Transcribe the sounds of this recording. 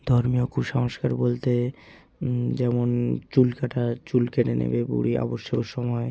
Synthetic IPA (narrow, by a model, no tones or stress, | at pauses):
d̪ʱɔɾmiokʰuʃɔŋoʃkaɾbolt̪e | d͡ʑɛmont͡ɕulkaʈʰat͡ɕulkeʈenḛbebṵɽiʔɔ̰boʃːoɾʃɔmɔe